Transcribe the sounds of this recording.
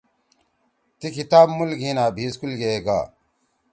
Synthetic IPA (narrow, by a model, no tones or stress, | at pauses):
t̪ikʰit̪aːbmulɡiːnaːbʱiːskulɡeeːɡa̰ː